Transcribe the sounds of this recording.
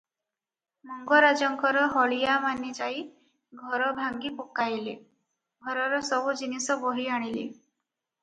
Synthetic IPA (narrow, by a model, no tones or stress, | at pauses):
mɔŋɡɔɾad͡ʒɔŋkɔɾɔɦɔɭijamanid͡ʒai | ɡʱɔɾɔbʱaŋɡipokajle | ɡʱɔɾɔɾɔsɔbud͡ʒinisɔbɔɦiaɽ̃ilḭ